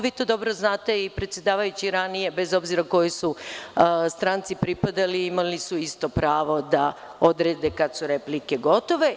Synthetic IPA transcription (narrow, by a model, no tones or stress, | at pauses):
ʋiːt̪o̞d̪o̞bɾoznaːt̪e̞ipɾet̪sʲjed̪aːʋajut͡ɕiɾanije̞be̞zo̞bziɾako̞jisu | st̪ɾant̪sipɾipad̪aliimalisuist̪o̞pɾaːʋo̞d̪a | od̪ɾeːd̪ekad̪suɾe̞plike̞ɡo̞t̪o̞ʋe̞